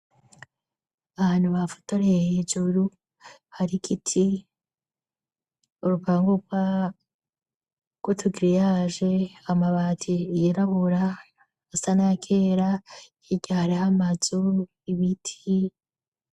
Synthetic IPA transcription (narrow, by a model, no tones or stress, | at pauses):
aβaːn̥huβafu̥toɾehed͡ʒuɾu | haɾikʰitʰi | uɾupaːŋɡukwa | ɡ̥wotʰuɡiɾijaʒeamaβaːtʰijiɾaβuɾa | asanaakʰeːɾahiɟahaɾihamazu | iβitʰi